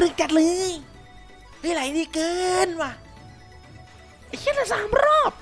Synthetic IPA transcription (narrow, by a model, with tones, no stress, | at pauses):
lɯ˧˩ŋt͡ɕa˨˧˩t̪̚lɯː˧˦ | hɯː˧˨la˨˦˧niː˧˩kɤː˧nwaː˧˩ | a˨˩kʰi˧˥t̪̚a˧˩saː˨˦mɾɔː˥˩p̚